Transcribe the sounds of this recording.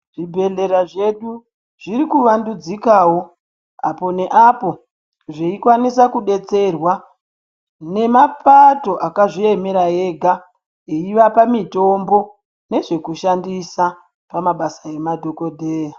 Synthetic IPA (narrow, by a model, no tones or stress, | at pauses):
ʐ̥ibʱe̞ɮe̞ɾaʐeɗu | ʐ̥irikuʋandud͡zikawo̞ | apo̞ne̞ʔapo̞ | ʐeikwanisakuɗe̞t͡se̞rwa | ne̞mapato̞ʔakaʐie̞meɾae̞ɡʱa | eiʋapamito̞mbo̞ | ne̞ʐe̞kuʃandisa | pamaɓasae̞madʱoko̞dʱeːja